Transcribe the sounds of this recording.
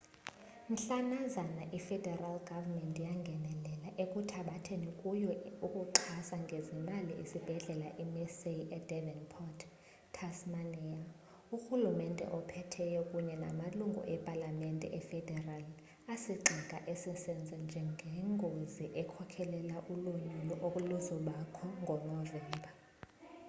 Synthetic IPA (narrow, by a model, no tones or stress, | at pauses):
n̩ɬanazanaʔifɛdʱɛralɡ̥ʱavamɛntʼijaŋɡʱɛnɛlɛlaʔekʼutʰaɓatʰenikʼujɔukʼuǃʰasaŋɡʱezimaliʔḭsib̥ʱɛɮɛlaʔimɛseɛdɛvɛnpʰɔtʰː | asmanɛa | uxulumɛntʼɛ̰ʔɔpʰɛtʰɛjɛkʼuɲɛna̰maluŋɡʱṵʔɛpʼalamɛntʼɛ̰ʔɛfɛdʱɛral | asiǃʱɛkʼaʔesisɛnd͡zʱɛnd͡ʒʱɛŋɡʱɛŋɡʱoziʔɛkʰɔkʰɛlɛlaʔuluɲulɔʔokʼuluzɔlakʰɔŋɡʱɔnɔvɛːmbʱa